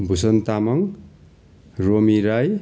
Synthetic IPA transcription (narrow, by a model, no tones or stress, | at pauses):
bʱusʌnt̪amʌŋ | ɾomiɾaj